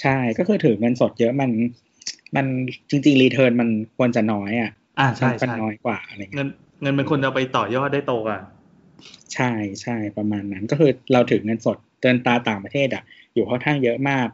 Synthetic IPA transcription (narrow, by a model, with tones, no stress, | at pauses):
t͡ɕʰa˥˩jkɔː˥˩kʰɯː˧t̪ʰɯː˩˦ŋɤ˧nso˨˩t̪̚jɤ˦˥ʔma˧n | ma˧nt͡ɕi˧ŋt͡ɕi˧ŋliː˧t̪ʰɤː˧nma˧nkʰu˧ənt͡ɕa˨˩nɔː˦˥jʔa˨˩ʔ | a˧˩t͡ɕʰa˧˥˧a˧nːɔː˦˥jkwaː˨˩ʔa˧ɾa˧˨ŋː˦˧n | ŋɤ˧nma˧nkʰu˧ənt͡ɕa˨˩pa˧jt̪ɔː˨˩jɔː˥˩t̪̚daː˥˩jt̪oː˧ka˧˩ | t͡ɕʰa˥˩jt͡ɕʰa˥˩jpɾa˧maː˧nːa˦˥nkɔː˥˩kʰɯː˧ɾa˧wt̪ʰɯː˨˩˦ŋɤ˧nso˨˩t̪̚ːɯ˧ənt̪aː˧t̪aː˨˩ŋpɾa˧t̪ʰeː˥˩t̪̚a˨˩ʔ | juː˨˩kʰaː˥˩ŋkʰaː˥˩ŋjɤ˦˥ʔmaː˥˩k̚